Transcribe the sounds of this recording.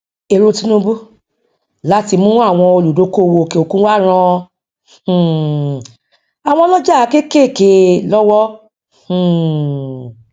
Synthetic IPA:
e˧˨ɾo˧tĩ˦nũ˧bu˦ | la˦ti˧mũ˦a˦˨w̃ɔ̃˧o˧lu˨do˨˦ko˦˨˧wo˧˨ke˧˨o˧kũ˦wa˦˨ɾ̃ã˧˨ | a˨w̃ɔ̃˧lɔ˦d͡ʒa˦˨˧ke˦ke˦˨ke˧lɔ˦wɔ̃˦˨

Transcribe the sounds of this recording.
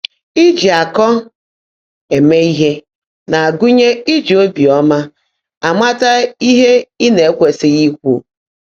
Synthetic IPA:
i˦d͡ʒi˨a˨kɔ˦ | e˨me˦i˦ɦe˦ | na˨a˨ɡʊ˦ɲe˦i˦d͡ʒi˨o˦bi˨ɔ˦ma˦ | a˨ma˦ta˦i˦ɦe˦i˦ne˨e˦kʷe˨sɪ˦ɣi˦kʷu˦˨

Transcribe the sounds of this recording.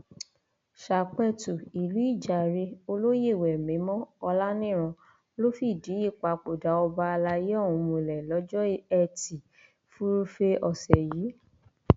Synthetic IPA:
ʃa˨k͡pɛ˦tu˨i˨lu˨˦i˦˨d͡ʒa˨ɾe˧˦o˧lo˦je˦˨wɛ˨mĩ˨˦mɔ̃˦ɔ˧la˦nĩ˦˨ɾ̃ɔ̃˧ | lo˦fi˦˨di˨˦i˦˨k͡pa˨k͡po˨da˨˦ɔ˧ba˧a˧la˧je˦ɔ̃˦˨ũ˧mũ˧˨lɛ˨lɔ˨˦d͡ʒɔ˦ɛ˦˨ti˨ | fu˦ɾu˦fe˧ɔ˧sɛ˨ji˨˦

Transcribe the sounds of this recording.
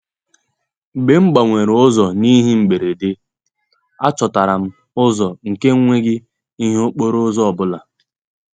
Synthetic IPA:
be˨ŋ͡m̩˦ɡ͡ba˨ŋʷe˨ɾʊ˦zɔ˨ni˦ɦi˦m̩˨ɡ͡be˨ɾe˨de˦ | a˦t͡ʃɔ˨ta˨ɾa˨m̩˦ | ʊ˦zɔ˨ŋ̩˨ke˦ŋ˦ŋʷe˦ɡɪ˦ | i˦ɦo˦k͡po˦ɾo˦zɔ˦ɔ˨bʊ˦la˨

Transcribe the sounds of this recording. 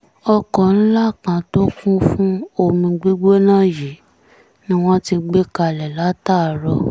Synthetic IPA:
ɔ˧kɔ˨n̩˦la˦˨kã˨to˦kũ˦fũ˦o˧mĩ˧ɡ͡bi˦ɡ͡be˦nãː˦˨ji˨˦ | nĩ˦w̃ɔ̃˦ti˧ɡ͡be˦ka˧˨lɛ˨la˨˦ta˦˨ɾɔ˧

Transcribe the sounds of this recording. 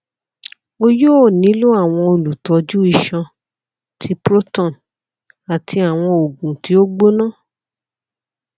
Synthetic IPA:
o˦jo˦˨nĩ˨˦lu˦a˦˨w̃ɔ̃˧o˧lu˨tɔ˨˧d͡ʒu˦i˦˨ʃã˧ | tʰi˨˧˦pɾo˦tɔ̃˦˨n | a˨tʰi˧a˨w̃ɔ̃˧o˨ɡũ˨ti˨˦o˦ɡ͡bo˦nãː˦˨

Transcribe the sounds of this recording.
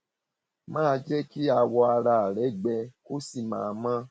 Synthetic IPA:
mãː˦˧d͡ʒɛ˦ki˦a˧wɔ˧a˧ɾa˧˨ɾɛ˨˦ɡ͡bɛ˧ko˦si˦˨mã̰ː˨˦˧mã˦

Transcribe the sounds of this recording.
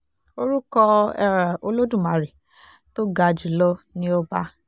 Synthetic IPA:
o˧ɾu˦kɔ˧˦ | o˧lo˦dũ˦˨ma˨ɾi˨ | to˦ɡa˧d͡ʒi˨lɔ˦nĩ˦o˦ba˦

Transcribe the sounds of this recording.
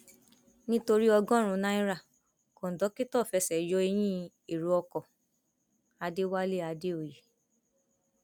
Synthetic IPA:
nĩ˦to˧ɾi˦ɔ˧ɡɔ̃˦ɾ̃ũ˧˦nã˦ĩ˦ɾa˦˨ | ko˨n̩˨dɔ˨˦ki˦tɔ˦˨fɛ˨˧˦sɛ˨jɔ˧˦e˧j̃ĩ˦ | e˨ɾu˨˧ɔ˧kɔ˨ | a˧de˦wa˦le˦˨a˨˧de˦o˨je˨

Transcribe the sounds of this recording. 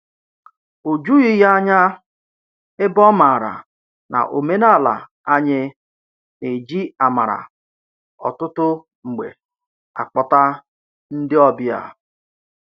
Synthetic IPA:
o˨d͡ʒu˦i˦ɦa˦ɲa˦ | ɪ˦bɔ˦ma˨ɾa̰˨ | na̰˨ʔo˨me˦na˦˨la̰˨ | a˦ɲɪ˦ | ne˨d͡ʒi˦a˨ma˨ɾa̰˨ | ɔ̰˨tʊ˦tʊ˦ | ŋ͡m̩˨ɡ͡bḛ˨ | a̰˨k͡pɔ˨ta˦ | n̩˦dɪ˦ɔ˦bɪ˦a̰˨

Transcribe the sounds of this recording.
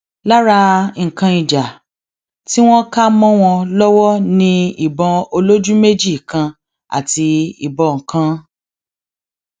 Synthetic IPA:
la˦ɾa˧ŋ̩˨kã˧i˨d͡ʒa˨ | ti˦w̃ɔ̃˦ka˦mɔ̃˦w̃ɔ̃˧lɔ˦wɔ˦nĩ˧i˦˨bɔ̃˧o˧lo˦d͡ʒũ˦me˦d͡ʒi˦˨kã˧ | a̰˨ti˧ḭ˨bɔ˧˨ŋ̩˨kã˧

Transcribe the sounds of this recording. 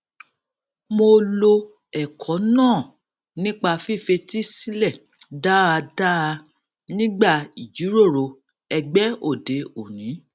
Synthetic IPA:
mo˧lo˧ | ɛ˨kʰɔ˨˦nãː˦˨ | nĩ˦k͡pa˧fi˦˨fe˧ti˦si˦lɛ˦˨ | da˦a˧da˦a˧ | nĩ˦ɡ͡ba˦˨i˨d͡ʒu˨˦ɾo˦˨ɾo˧ | ɛ˧ɡ͡bɛ˦o˦˨de˨˦o˨nĩ˨˦

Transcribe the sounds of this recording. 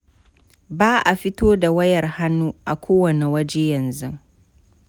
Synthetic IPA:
baː˦ʔa˨ɸɪ˦toː˦da˨wɐ˦jɐ˨rha˦nːuː˦ʔa˨kʷoː˦wɐ˨ne˨wɐ˦d͡ʒeː˦jɐ˨nzʊ˦ŋ

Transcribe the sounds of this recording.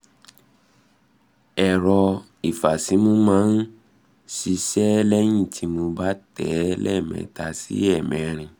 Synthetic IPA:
ɛ˨ɾɔ˧ | i˨fa˨si˨˦mũ˦mãː˦n̩˦ | ʃi˧ʃɛ˦lɛ˦jĩ˦˨tʰi˧mõ˧ba˦tɛ˨˦lɛ̰˦˨mɛ̰̃˨˧˨ta˧sḭ˦ɛ˦˨mɛ̃˨ɾ̃ĩ˧

